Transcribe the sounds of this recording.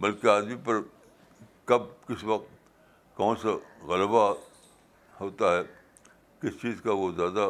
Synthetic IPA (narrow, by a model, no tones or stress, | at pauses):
bɐlkeaːd̪mipɐɾ | kɐb̚kɪsʋɐk̚t̪ | kɔõːnseɣɐlba | ɦoːt̪aɦɛː | kɪst͡ʃiːzkaʋozjaːd̪a